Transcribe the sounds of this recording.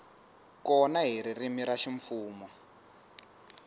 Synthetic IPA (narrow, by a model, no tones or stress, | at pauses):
kɔnaɦiɾirimiɾaʃiɱfuːmɔ